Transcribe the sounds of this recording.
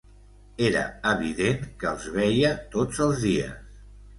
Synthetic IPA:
eɾə̰əβiðeŋkəːlˠzβɛjət̪od͡zəlˠzðiə̰s

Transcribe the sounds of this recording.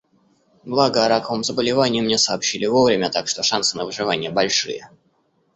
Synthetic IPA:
blˠaɡəɐɾakəvəmzəbəlʲɪvanʲɪjəmnʲe̞səːpɕːilʲɪvo̞vɾʲɪmʲəat̪akʂt̪o̞ʂansɨnəvɨʐɨvanʲɪjəbɐlʲʂɨ̰jə̰

